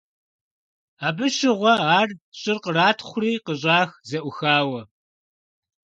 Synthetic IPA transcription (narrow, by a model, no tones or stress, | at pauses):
aːbɨʃɪʁʷɔaːrɕʼɪrqəraːtʰχʷʊriːqəɕ̬ʼaːxzɐʔʷʊxaːwɐ